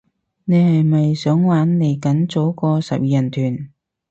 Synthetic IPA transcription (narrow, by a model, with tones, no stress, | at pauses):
ne˨˧jhɐ˨jmɐ˨jsœː˨˥ŋwaː˨˥nne˨˩jkɐ˨˥nt͡so˨˥wkɔː˧sɐ˨p̚jiː˨jɐ˨˩nt̪ʰyː˨˩n